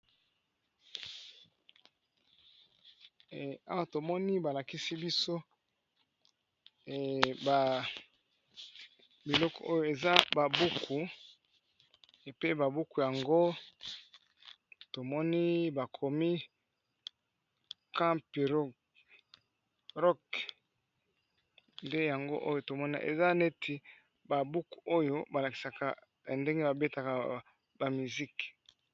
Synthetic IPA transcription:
a˦wa˨to˨mɔ˦ni˦ba˨la˨ki˦si˦bi˦so˦˨ | ba˨ | bi˨lɔ˦kɔ̰˨ʔo˦jo˦˨e˨za˦ba˨bu˦kʰu˨ | e˨pe˦ba˨bu˦ku˨ja˨ŋɡo˦ | to˨mɔ˦ni˦ba˨kʰo˨mi˦ | kã˦mpi˨ʁo˦ | ʁɔ˦k | nde˦ja˨ŋɡo̰˦ʔo̰˦jo˦to˨mɔ˦na̰˨ʔḛ˨za˦ne˦tʰi˨ | ba˨bu˦ku̥˨o˦jo˦ba˨la˨ki̥˨sa˨ka̰˨ | ja˨nde˦ŋɡe˦ba˨be˦ta˨ka˨ | ba˨mi˨zi˦k

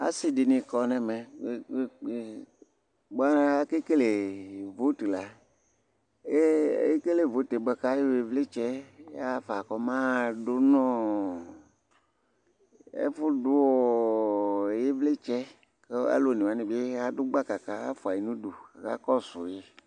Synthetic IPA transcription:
a̰˦si˨di˨nĩ˨kɔ˨nɛ̃˨mẽ˨˦˨ | ɡ͡ba˦a˦ke˦ke˦le˨vo˦te˨la˨ | e˦e˦ke˦le˨vo˦te˨be˨ka˦je˦we˨vle˦t͡ʃɛ˦a˦fa˨kɔ˦mã˦˨ɖo˦nɔ̃˦ | ḛ˦fʊ˦du˦wo˨ | je˦vle˦t͡ʃɛ˦ | ke˦a̰˦lo˨nĩ˨wa˦nĩ˨be˦a˦dʊ˦ɡ͡ba˦ka˨ka˨a̰˦fu˨a˨i˨nũ˦du˨ɣa̰˦kɔ˦sʊ̰˨je˦

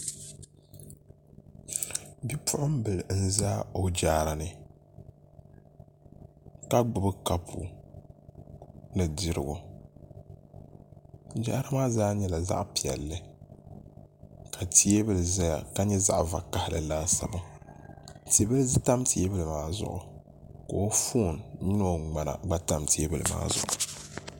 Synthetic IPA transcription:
bi˦pʰʊ˦ʔʊ˦m˦bɨ˨ln̩˦˨zaː˦o˦d͡ʒaː˦ɾa˨nɨ˨ | ka˦ɡ͡bʊ˨bɨ˦ka˦pʰṵ˨ | nɨ˨di˦ɾɨ̰˨ɡʊ̰˨˦ | d͡ʒa̰˦ʔɾa˦maː˦zaː˦ɲɛ˦la˨za̰˦ʔpi˨ɛ̰˨lːɨ˦ | ka˨tʰi˦e˦bɨ˦lɨ˨za˦ja̰˨ka˦ɲɛ˦za̰˦˨ʔva̰˨ka˨hɪ˦lɨ̰˨laː˦sa̰˨ba˦ | ti˨˦bɨ˦lɨ˦zɨ˦ta˦mtʰi˨e˦bɨ˦lɨ˨maː˦˨zʊ̰˨ʔʊ̰˨ | ko˨o˦fuː˦˨nɲʊ˦no˦ŋ͡ma˨na̰˨ɡ͡ba˦ta˦mti˨e˦bɨ˨lɨ˨ma̰ː˦zʊ̰˦ʔʊ˨

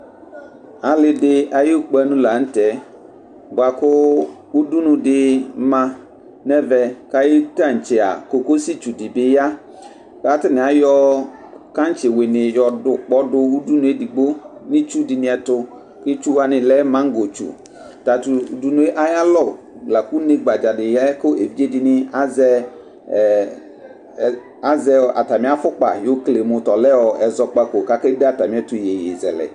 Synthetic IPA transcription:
a˨lɪ˧dɪ˦a˨jɪ˦k͡pɛ˦nʊ̃˦la˨˦n̩˦tɛ˨˦ | ɡ͡ba˨kʊ˦u˦du˦nũ˧dɪ˦mã˧ | nɛ˦vɛ˨ka˦jɪ˦ta˦˨n̩˨t͡ʃɪ˨a̰˨ko˨ko˦si˦t͡ʃu˨dɪ˨bɪ˦ja˦ | ka˦tɪ˦nɪ˨a˨˦jɔ˦ka˦n˦t͡ʃɪ˨wɪ˨nɪ˨jɔ˨ʊ˨k͡pɔ˦dʊ˧u˦du˦nũ˨e˦di˨ɡ͡bo˦nɪ̃˦t͡ʃu˦dɪ˨nɪ̃˨˦ɛ˨tʊ˦ | kɪ˦t͡ʃu˦a˦nɪ̃˨lɛ˦mã˦ŋ˦ɡo˨t͡ʃṵ˨ | ta˨tu˨u˨du˦nʊ̃˨˦e˦ʔa˦ja˦lɔ˦˨ | bla˨ku˦ne˦ɡ͡ba˨d͡ʒa˨dɪ˨jɛ˦ko˦ʔe˨vi˦d͡ʒe˦di˦˨nɪ̃˦a˦zɛ˦˨ | a˦zɛ˦ɔ˨ʔa̰˨ta˨mɪ̃˨˦a˦fʊ˦k͡pa̰˨jo˦kle˨mʊ̃˨tɔ˨lɛ˦wɔ˨ʔɛ˨zɔ˦k͡pa˦ko˨ka˦ke˦de˦a˨ta˨mɪ̃˨˦ɛ˦tʊ˨je˨ji˨zɛ̰˨lɛ̰˨

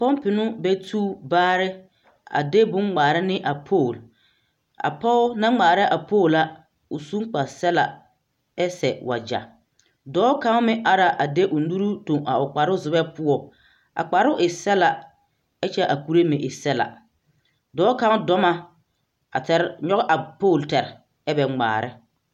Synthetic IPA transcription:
pɔ˦mpɪ˨nʊ˦bɛ˦tʰuː˦baː˦ɾɪ˦ | a̰˨de˦bʊ˦ŋŋ͡maː˨ɾɪ˦nɪ˦ʔa˨pʰoː˦˨l | a̰˨pɔ˦ʊ˦na˦ŋ͡maː˨ɾa˦ʔa˨poː˦˨la˦ | ʊ˨su˦k͡pa˨sɛ˦la̰˨ | ɛ˦sɛ˨wa̰˨d͡ʒa̰˨ | dɔː˨˦ka˦ŋ˦mɪ˦ʔa˨ɾa˨ʔa˨de˦ʔʊ˨nu˦ɾu˦to˨ŋa˨ʊ˨k͡pa˨ɾʊ˦zʊ˨bɛ˦pʊ˦ɔ˦ | a̰˨k͡pa˨ɾʊ˦ʔɪ˨sɛ˦la˨ | ɛ˦t͡ʃɛ˦ʔa˨ku˨ɾe˦mɪ˨ʔɪ˨sɛ˦la̰˨ | dɔː˨˦ka˦ŋ˦dɔ˦ma˦ | a˨tɛ˦ɾɲɔ˦ɣʔa˨poː˦˨ltɛ˨ɾɪ˨ | ɛ˦bɛ˨ŋ͡ma̰ː˨ɾɪ̰˦

